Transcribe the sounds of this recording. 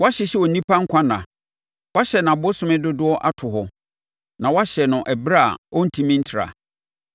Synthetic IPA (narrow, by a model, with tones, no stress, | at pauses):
wa˦ɕɪ˨ɕi˦wɔ˨nĩ˦pʰa˦ŋ̩˦kʷʰã˦nã̰˨ | wa˦ɕɛ˨nã˨bʊ˦sʊ̃˦mɪ̃˦dʊ˦dʊ˦ɔ˦ʔa˦tʰʊ˨ɦɔ˨ | nã˨wa˦ɕɛ˨nʊ̃˨ʔɛ˨bɾa̰˦˨ɔ˦n̩˨tʰĩ˦mĩ˦n̩˦tʰɾa̰˨